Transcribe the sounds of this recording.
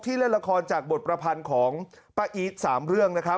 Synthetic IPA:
t̪ʰiː˥˩le˥˩nla˧kʰɔː˧nt͡ɕaː˨˩k̚bo˨˩t̪̚pɾa˧pʰa˧nkʰɔː˩˦ŋ | pa˧ʔiː˦˥t̪̚saː˩˦mɾɯ˥˩əŋna˦˥kʰɾa˦˥

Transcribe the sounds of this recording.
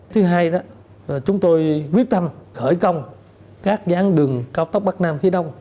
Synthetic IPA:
t̪ʰɨ˨˦ɦaː˧jɗɔ˨˦˨ | t͡ɕʊ˨˦ŋ͡mt̪o˧jki˦˥ək̚t̪a˧mxəː˧˩jkə˧wŋ͡m | kaː˦˥k̚zaː˨˦ŋɗɨ˨˩əŋkaː˧wt̪ə˦˥k͡p̚ɓa˦˥k̚naː˧mxi˨˧˦ɗə˧wŋ͡m

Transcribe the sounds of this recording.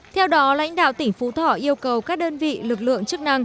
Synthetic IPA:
t̪ʰɛ˧wɗɔ˨˦la̰˧˥jŋ̟ɗa̰ː˧˨wt̪ï˧˩ŋ̟fu˨˦t̪ʰɔ˧˩ʔi˧əwkə˨˩wkaː˦˥k̚ɗəː˧nvḭ˧˨lɨ˨˩k̚lɨ̰˧˨əŋt͡ɕɨ˦˥k̚na˧ŋ

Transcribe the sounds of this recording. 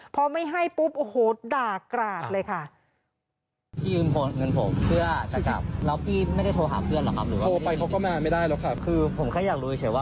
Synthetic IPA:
pʰɔ˧˦˥ma˥˩jɦa˥˩jpu˦˥p̚ʔhoː˨˦t̪̚daː˨˩kːɾaː˨˩t̪̚lɤː˧jkʰa˥˩ | p̪ʰiː˥˩ɯː˧mpʰoː˧ŋɤ˧npʰo˩˦mpʰɯ˥˩ɐt͡ɕa˨˩ka̰˨˩p̚lɛ˦˥wpʰiː˥˩ma˥˩jda˥˩t̪ʰoː˧ɦa̰ː˩˦mpʰɯ˥˩ənlɔ˨˩kʰa˦˥ɾɯː˩˦waː˥oː˧pa˧jkʰa˦˥wkɔ˥˩ma˧˨˧ma˥˩jdaː˥˩jlɛ˦˥wkʰa˥˩kʰɯː˧pʰo˩˦mkʰaː˧˥˩jaː˨˩k̚ɾuː˧t͡ɕʰɯː˩˦waː˥˩

